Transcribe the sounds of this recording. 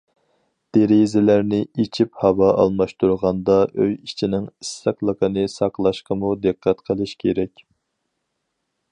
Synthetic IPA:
d̪̥eɾizɪlæɾnɪit͡ʃʰiphɑwɑʔɑ̰lˠmɑʃt̪uɾʁɑnd̪ɑøjit͡ʃʰinɪŋisːæqlˠəqʰənɨsɑqlˠɑʃqəmud̪ɨqʰːæt̪qʰəlˠɨʃkʲʰeɾɛkʲ

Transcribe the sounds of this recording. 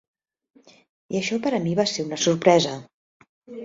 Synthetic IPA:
iəʃɔpəɾəmiβaseunəsuɾpɾɛzə

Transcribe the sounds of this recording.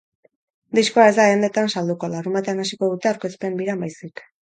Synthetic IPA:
d̪isko̞ae̞zd̪aand̪e̞t̪ansald̪uko̞laɾumat̪eanasiko̞ðut̪e̞awɾke̞spe̞mbiɾambajsik

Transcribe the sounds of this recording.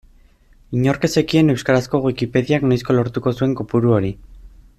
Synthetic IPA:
iɲo̞ɾke̞se̞kie̞ne̞wskaɾasko̞ɣwikipe̞ðiaknajsko̞lo̞ɾt̪uko̞sue̞ŋkopuɾuo̞ɾi

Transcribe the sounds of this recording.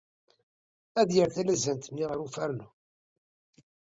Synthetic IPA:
æðjəɾθælæzænt̪mːiʁəɾufæɾnu

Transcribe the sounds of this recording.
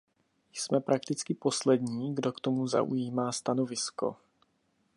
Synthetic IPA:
jsmɛpɾʔakt̪ɪt͡skɪpo̞slɛdɲiːɡdo̞kt̪o̞muza̰ʔṵjiːmaːst̪ano̞vɪsko̞̰

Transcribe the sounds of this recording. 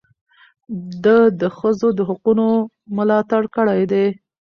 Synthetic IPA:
d̪əd̪əxəzod̪əɦʊquno | mʊlɑt̪aɽkəɽajd̪e

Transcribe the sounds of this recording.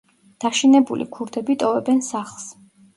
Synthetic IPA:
d̪̥aʃinɛbulḭkʰuɾd̪ɛbit̪ʼɔvɛbɛnsaχlˠs

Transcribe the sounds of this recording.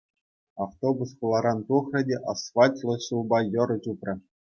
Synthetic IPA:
ɑft̪obusχulˠɑɾɑnt̪uχrʲɘ̆dʲeʔɑsʋɑtʲlˠɤ̆ɕulˠbɑjɤ̆ɾɤ̆t͡ɕuprʲɤ̆

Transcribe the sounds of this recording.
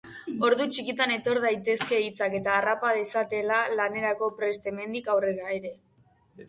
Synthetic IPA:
o̞ɾðut͡ʃikit̪ane̞t̪o̞ɾðajt̪e̞ske̞it͡sake̞t̪aːrapað̞e̞sat̪e̞lalane̞ɾako̞pɾe̞st̪e̞me̞nd̪ikawre̞ɾaeɾe̞

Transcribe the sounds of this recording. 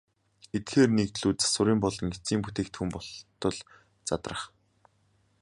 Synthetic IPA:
et̪xeːrnekt̪ɮuːt͡sḁsʊ̆ɾiːmpɔɮɞ̆ŋet͡siːmput̪eːk̚t̪ʰxuːmpɔt̪ɞ̆ɮ | t͡sat̪rə̆χ

